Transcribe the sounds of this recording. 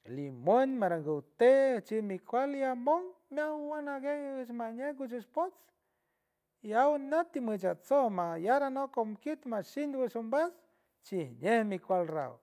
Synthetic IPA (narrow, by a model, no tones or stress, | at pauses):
limwənmaɾaŋɡəwt̪et͡ʃimikʷaliamoŋmʲawanaɡeət͡ʃmaɲeɡut͡ʃəʃpot͡s | iawnot̪ːimət͡ʃat͡somajaɾanokomkit̪maʃind̪wəʃumbas | t͡ʃihɲehmikʷalra̰w